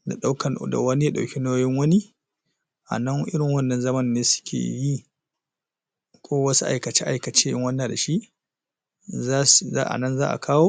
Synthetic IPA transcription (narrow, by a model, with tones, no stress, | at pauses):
da˨ɗa˦wkɐ˨da̰˨wɐ˦ni˦ja˦ɗa˨kʲi˦noː˦jɪ˦ŋwɐ˦ni˦ | ʔa̰˨nɐ˦ŋʔɪ˦ɽɪ˨ŋwɐ˦˨nːɐ˨nzɐ˦mɐ˦nːeː˦sʊ̥˦kʲʰḛː˨ji˦ | kʷʰoː˦wɐ˦su˦ʔa̰˨jkɐ˨t͡ʃe˦ʔa˨jkɐ˨t͡ʃeː˦jɪ˦ŋwɐ˦nːaː˨da˨ʃi˦ʔ | a˦sa̰˦ʔa̰˨nɐ˦nzaː˦ʔa̰˨kʰaː˦woː˦